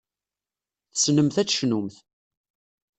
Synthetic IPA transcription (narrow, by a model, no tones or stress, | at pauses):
θəsnəmθæt͡sːʃnumθ